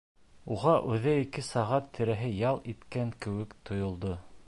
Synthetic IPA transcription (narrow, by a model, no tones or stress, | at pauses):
uʁɑʔʉðæikɘsɑʁɑt̪ʰːɘ̆ɾæɦɘjɑlˠit̪kæŋkɘ̆wɘkt̪ʰŏjŏlˠd̪o